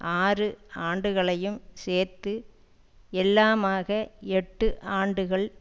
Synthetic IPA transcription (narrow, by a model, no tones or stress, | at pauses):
ʔaːrɯaːɳɖɯɣɐɭɐjɯmseːɾt̪ɯ | ɛlːaːmaːɣɐɛʈːɯʔaːɳɖɯɣɐɭ